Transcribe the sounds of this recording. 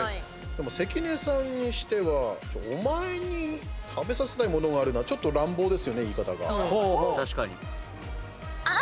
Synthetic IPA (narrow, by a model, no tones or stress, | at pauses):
d̪̥e̞mo̞se̞kʲine̞ːsãɲ̟ɲːiɕi̥t̪e̞βat͡ɕoːomae̞ɲ̟it̪ʰabe̞sase̞naimo̞no̞ɡaːɾɯ̟naat͡ɕo̞t̪ːo̞ɾãmbo̞ːd̪e̞sɨjo̞ne̞iːkat̪aɡa̰hot̪aɕi̥kaɲi